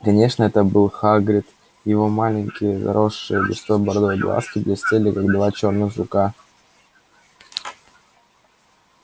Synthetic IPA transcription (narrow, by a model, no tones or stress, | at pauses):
kɐnʲeʂnəɛt̪əbɨlˠxaɡɾʲɪt̪ | jɪvo̞malʲɪŋʲkʲɪjəxɐ̰ɾo̞ʂːɨjəɡʲɪ̰sobɐɾd̪ojblˠa̰skʲɪd̪lʲɐsʲtʲelʲɪkaɡd̪vat͡ɕo̞rnɨxzʊka